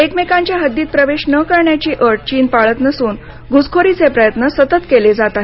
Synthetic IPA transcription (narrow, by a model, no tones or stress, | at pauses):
ekmekãɲt͡ɕjaɦəd̪ːiːt̪̚pɾəʋeɕnəkəɾɳjat͡ɕiːʔəɾʈ̚t͡ɕiːnpaɭət̪nəsuːn | ɡʱud͡zkʰoɾit͡sepɾəjət̪nəsət̪ət̪keled͡zat̪aɦ